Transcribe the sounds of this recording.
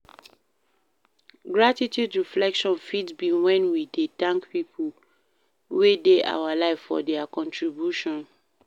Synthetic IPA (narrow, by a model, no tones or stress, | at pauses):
ɡɹatitjudɹiflɛkʃɔ̃nfidbĩwɛ̃nwidedãŋkpipʰu | wedeʔa̰walaɪfːɔ̰dɛakɔ̃ntʰɹibjuʃɔ̃n